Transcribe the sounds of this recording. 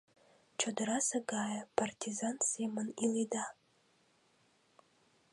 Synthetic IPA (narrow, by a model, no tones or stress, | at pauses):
t͡ʃʰadɨɾasaɡaːjapʰartʰizansemanilida